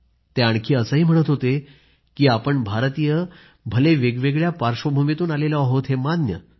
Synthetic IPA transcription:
t̪eaɳkʰiːəsəɦiːm̤əɽ̃ət̪ɦot̪e | kiːapəɳbʱaɾt̪ijə | bʱəleʋeɡʋeɡɭjapaɾʂʋəbʱumet̪uːnalelaɦot̪ɦemad̪njə̰

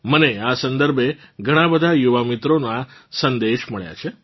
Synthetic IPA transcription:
məneasənd̪əɾbʱeɡʱəɽ̃ãbəd̪ʱajuʋamit̪ɾonasənd̪eʃməɭja̰t͡ʃʰe

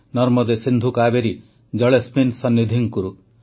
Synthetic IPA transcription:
nɔɾmɔd̪esind̪ʱukaːbeɾi | d͡ʒʌɭesminsɔnːid̪ʱiŋkuɾu

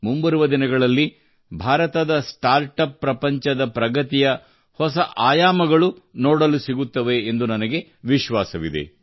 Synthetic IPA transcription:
mumbɐɾuʋɐd̪inɐɡɐɭɐlːi | bʱaːɾɐt̪ɐd̪ɐsʈaːɾʈɐpːɾɐpɐɲt͡ʃɐd̪ɐpɾɐɡɐt̪ijɐ | hɔsɐʔaːjaːmɐɡɐɭunoːɽɐlusiɡut̪ːɐʋe̞ːnd̪unɐnɐɡe̞ʋiʃʋaːsɐʋid̪ḛ

